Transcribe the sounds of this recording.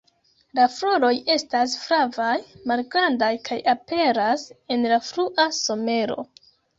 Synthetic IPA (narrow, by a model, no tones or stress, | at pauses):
lafɾo̞ɾo̞je̞stas̬fɾavajmalɡɾandajkʰajape̞ɾase̞nlafɾuʔaso̞me̞ɾo̞̰